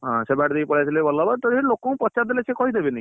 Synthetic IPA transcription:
ɦɔ̃sebaʈd̪ijpɔɽajt̪ʰilebɔlabat̪ɔɽielokɔũpɔt͡ʃad̪elesekɔɦid̪ebena

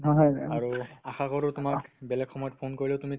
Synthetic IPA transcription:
ɦɔjaɹuaxakɔɹotʊmakbɛlɛkxɔmɔjɔt̚pʰonkoɹilɛʊtumi

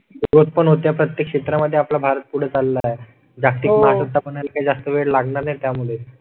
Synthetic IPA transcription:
ɾot̪̚pəɳɦot̪japɾət̪jekʂɕet̪ɾaməd̪ʱːjeaplabʱaɾət̪̚puɽ̤et͡salːae | d͡zakt̪iːkməaət̪ːapəɳjalakajd͡zast̪əʋeɽlaɡɳaɾnajt̪jamuɭe

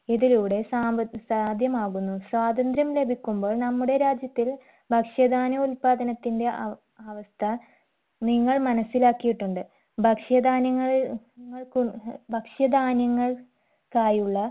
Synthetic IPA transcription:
iðiluːɽe̞saːsaːd̪ʱjɐmaːɣunːusʋaːd̪ɐnd̪ɾɐmle̞bʱikʲːumbo̞ːɭnɐmːuɽe̞ɾaːd͡ʑjɐt̪ːil | bʱɐkʂjɐd̪aːnɐulpaːd̪ɐnɐt̪ːinde̞ | aːʋɐst̪ʰɐ | niŋːɐɭmɐnɐsːilaːkːijiʈːuɳɖɨ | bʱɐkʂɐd̪aːnɐŋːɐɭ | ŋːɐɭkubʱɐkʂjɐd̪aːnjɐŋːɐɭ | kaːjuɭːɐ

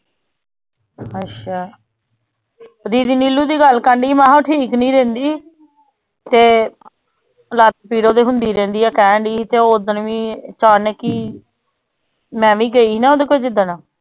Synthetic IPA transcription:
ətʃʰaː | d̪iːd̪iːniːlːuːd̪iːɡəlkəɳɖiːmãːɦãːʈʰiːknĩːɾẽːnd̪iː | t̪eː | lat̪piːɽoːd̪eːɦʊnd̪iːɾẽːnd̪iːɛːkɛ̃ːɳɖiːt̪eːoːd̪ənʋĩːt͡ʃaːnɛːkiː | mɛ̃ːʋĩːɡəiːiːnaːoːd̪eːkoid͡ʒɪd̪ənãː

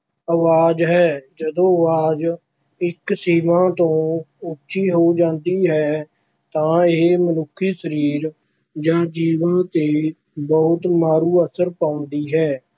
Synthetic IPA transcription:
əʋaːd͡ʒɦɛːd͡ʒəd̪õːəʋaːd͡ʒ | ɪksiːʋãːt̪õːʊkt͡ʃiːɦoːd͡ʒãːnd̪iːɦɛː | t̪ãːemənʊkʰːiːsəɾiːɾ | d͡ʒãːd͡ʒiːʋãːt̪eː | bɔːʊt̪maːɾuːəsəɾpaːʊnd̪iːɦɛː

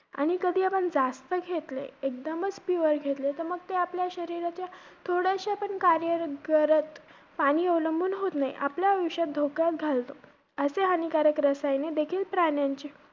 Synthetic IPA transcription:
a̰ɽ̃ikəd̪ʱiːapəɳd͡zast̪əɡʱet̪lḛek̚d̪əmət͡sfuʋəɾɡʱet̪let̪əɾməɡ̚t̪eapljaɕəɾiɾat͡ɕjat̪ʰoɽeəɕeapəɳkaɾjəɾɡəɾət̪ | paɽ̃iːəwləmbʱuːnɦot̪naḭʔa̰pljaʋiɕat̪̚d̪ʱokat̪ɡʱalt̪o | əseɦənikaɾəkɾəsajned̪ekʰiːlpɾaɳjãɲt͡ɕe

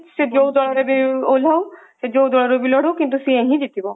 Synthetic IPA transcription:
sed͡ʒowd̪ɔɭɔɾebiolaw | sed͡ʒowd̪ɔɭɔɾobilɔɽokint̪usĩẽɦĩd͡ʒit̪ibɔ

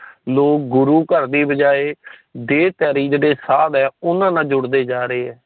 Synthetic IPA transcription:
loːk̚ɡʊɾuːkəɾd̪iːbəd͡ʒaːeːd̪eːt̪jɛːɾiːd͡ʒeːɽeːsaːd̪ɛːʊnãːnãːd͡ʒʊɽd̪eːd͡ʒaːɾəeːɦɛː

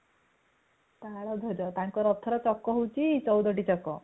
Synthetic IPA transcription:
t̪aɽɔd̪ʱɔd͡ʑɔt̪ãŋkɔɾɔt̪ʰəɾɔt͡sɔkːɔɦowt͡ɕit͡sɔwd̪ɔʈit͡ɕɔkɔ

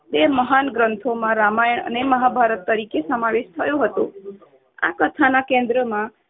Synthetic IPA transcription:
b̪eməɦanɡɾənt̪ʰomãɾamajəɳə̰neməɦabʱaɾət̪ːəɾikesəmaʋeʃt̪ʰəjõɦət̪o̰ | a̰kət̪ʰanakẽnd̪ɾəmã

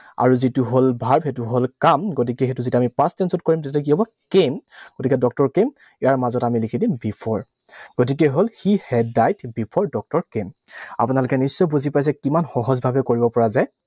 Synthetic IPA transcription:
a̰ɹuzituɦolbʱaɹbxetuɦolkamɡot̬ikɛxetuzituamipastɛnsɔtkoɹimtɛtɛk̬iɦɔbɔ | kemɡotikɛdɔk̚tɔɹkem | ijaɹmazɔtamilikʰidimbipʰɔɹ | ɡ̥ot̬ik̬ɛɦolxihɛdajtbipʰɔɹdɔk̚tɔɹkema̰pʊnalʊkɛnisːɔbuzipajs̬ɛkimanxɔɦɔzbʱabɛkoɹibɔpɔɹazaj

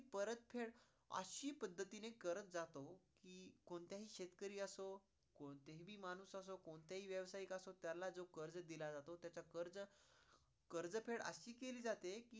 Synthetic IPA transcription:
ipəɾət̪pʰeɽ | ə̰ɕiːpəd̪ʱːət̪inekəɾət͡s̪d͡zat̪okiːkoɳt̪jaɦiːɕet̪kəɾiːəso | kot̪eɦibʱiːmanusas̬okoɳt̪jaɦiːʋjəʋsaikasot̪jalːad͡zokəɾd͡zəd̪ilad͡zat̪ot̪jat͡sakəɾd͡zə | kəɾd͡zəpʰeɽə̰ɕiːkeliːd͡zat̪ekiː

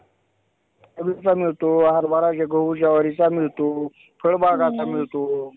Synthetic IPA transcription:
əbit͡samiɭt̪oɦaɾbaɾad͡ʑaɡʱəud͡ʑaʋəɾit͡samiɭt̪o | pʰəɽbaɡamt͡samiɭt̪o

